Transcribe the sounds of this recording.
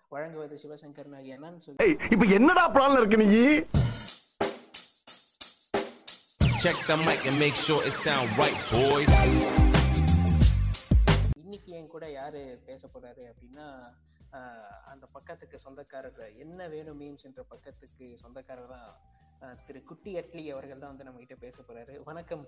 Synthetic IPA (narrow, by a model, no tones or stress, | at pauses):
ʋɐɻɐŋɡɯʋɐðɯsɪʋɐsɐ̃ŋkɐɾɐnaːɣiɛnːaːnɯsɔlːeɪpːɐɛnːɐðãːpːlaːnɐɪɾɯk̬ːɐnɪŋɡi | t͡ʃɛk̚d̪ɐmaɪkɐ̃nmeɪkʃoːʔɪsãnʋɐɪboːjðaː | ɪnːɪkʲːɯɛ̃ːkuːɽɐjaːɾɯpeːsɐpoːɾaːɾɯɐpːɐɽɪnːaː | ɐnd̪ɐpɐkːɐt̪ːɯkːɯsɔnd̪ɐkːaːɾɐɐɛnːɐʋeːɳɯmːeːnsɛnrɐpɐkːɐt̪ːɯkːɯsɔnd̪ɐkːaːɾɐt̪ãː | t̪ɪɾɯkːʊʈːiɐʈːlɪɐʋɐɾɣɐɭt̪ãːʋɐnd̪ɯnɐmːɐkɪʈːɐpeːsɐpoːɾaːɾɯʋɔnɐkːɐm